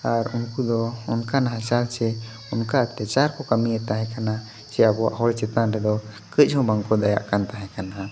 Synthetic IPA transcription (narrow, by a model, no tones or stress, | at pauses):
aɾunkud̪ɔunkanaɦãsalt͡ʃɛ | unkat̪ɾɛt͡ʃaɾkɔkamiɛt̪aɦɛ̃kana | t͡ʃɛabɔwa̰ʔɦɔlɛt͡ʃɛt̪anɾɛd̪ɔ | kət͡ʃ̚ˀhɔ̃baŋkɔd̪aja̰ʔkant̪aɦɛ̃kana